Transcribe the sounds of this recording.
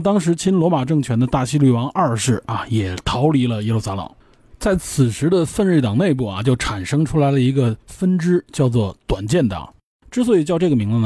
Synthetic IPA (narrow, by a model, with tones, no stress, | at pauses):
t̪ɑ˥ŋʂ̬ɻ̩˧˥t͡ɕʰi˥nlwɔ˧˥ma˨˩ʈ͡ʂɤ˥˩ŋt͡ɕʰɥɛ˧˥nd̪ə˧t̪a˥˩ɕi˥ly˥˩wɑ˧˥ŋʔɐ˞˥˧ʂɻ̩˥˩a̰˩jɛ˨˩t̪ʰɑ˧˥ʊli˧˥lə˧jɛ˧˥lu˥˩sa˥lɤ̰˨˩ŋ | t͡sa˥˩ɪt͡sʰɹ̩˨˩ʂɻ̩˧˥d̪ə˧fə˥˧nɻ̩˥˩t̪ɑ˨˩ŋne˥˧ɪp̬u˥˩ɐ̰˩t͡ɕjo˥˩ʊʈ͡ʂʰa˨˩nʂɤ˥ŋʈ͡ʂʰu˥la˧˥ɪlə˧i˧˥ɡə˧fə˥nʈ͡ʂɻ̩˥t͡ɕjɑ˥˧ʊt͡swɔ˥˩t̪wa˨˩nt͡ɕjɛ˥˩nt̪ɑ̰˨˩˦ŋ | ʈ͡ʂɻ̩˥s̬wɔ˧˥i˨˩t͡ɕjɑ˥˧ʊʈ͡ʂɤ˥˩ɡə˩mi˧˥ŋlə˧n˩